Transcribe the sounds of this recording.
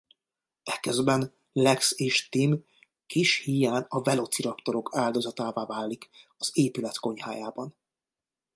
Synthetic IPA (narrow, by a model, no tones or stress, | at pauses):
ɛkøzbɛn | lɛkseːʃt̪im | kiʃhijaːnɒvɛlo̞t̪siɾɒkt̪o̞ɾo̞kʰaːld̪o̞zɒt̪aːvaːvaːlːikɒz̥eːpylɛt̪ko̞ɲhaːjaːbɒn